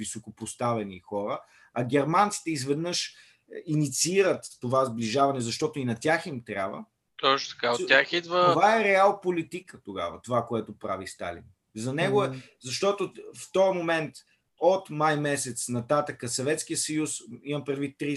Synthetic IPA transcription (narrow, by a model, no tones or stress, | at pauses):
visokopost̪avɛnixɔɾə | ɐɡ̟ʲɛɾmant̪si̥t̪ɛizvɛd̪nəʃ | init̪siiɾət̪ːovazbliʒavɐnɛzɐʃt̪ɔt̪ʊinɐt̪ʲaximt̪ɾʲja̰bvə̰ | t̪ɔt͡ʃnot̪ɐ̥kaot̪jaxid̪vət̪ovaɛɾɛalˠpolit̪ikət̪oɡa̰və̰t̪ovakoɛt̪ʊpɾa̰vist̪a̰lḭn | zɐnɛɡoɛ | zɐʃt̪ɔt̪oft̪ɔɾmomɛnt̪ | ot̪majmɛsɛt̪snɐt̪at̪əkəsɐvɛt̪sk̟ijəsɐjusimɐpɾɛd̪vit̪ːɾi